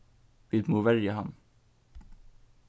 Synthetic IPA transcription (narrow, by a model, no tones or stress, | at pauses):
ʋiːd̪moːʋæɾjəhɑn